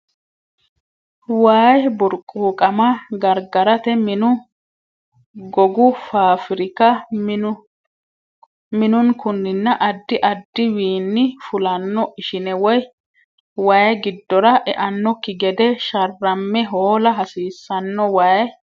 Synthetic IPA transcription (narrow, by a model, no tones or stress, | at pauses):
waːjbʊɾkʼːuːkʼɐmɐɡɐɾɡɐɾɐt̪ɛmɪnʊ | ɡɔɡʊfaːfɪɾɪkɐ | mɪnʊnkʊnːɪnːɐʔɐd̪ːɪʔɐd̪ːɪwiːnːɪfʊlɐnːɔʔɪʃɪnɛwɔj | waːjɡɪd̪ːɔɾɐʔɛʔɐnːɔkːɪɡɛd̪ɛʃɐrːɐmːɛɦoːlɐɦɐsiːsːɐnːɔwaːj